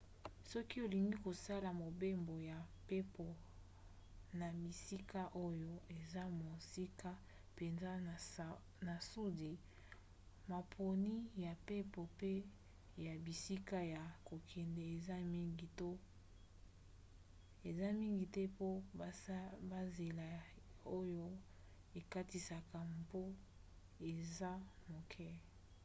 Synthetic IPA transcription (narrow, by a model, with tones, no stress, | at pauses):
sɔ˦ki˦o˨li˨ŋɡi˦ko˨sa˦la˨mo˨be˦mbo˨ja˨pe˦po˨ | na˨mi˨si˦ka˦ʔo˦jo˦e˨za˦mo˨si˦ka˦ | pe˨nza˦˨ | na˨su˦di˨ | ma˨pʰo˨ni˦ja˨pe˦po˨pe˦ | ja˨bi˨si˦ka˦ja˨ko˨kʰɛ˨ndɛ˨e˨za˦mi˦ŋɡi˨to˦ | e˨za˦mi˦ŋɡi˨tɛ˦po˦˨˦ | ba˦ze˨la˨ | o˦jo˦ | e˨ka˦ti˦sa˨ka˨po˦ | e˨za˦mo˨kʰɛ˦